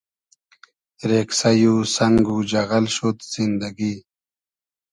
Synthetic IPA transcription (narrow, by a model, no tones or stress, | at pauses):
ɾeksajusaŋɡud͡ʑaɣalɕot̪z̥ind̪aɡi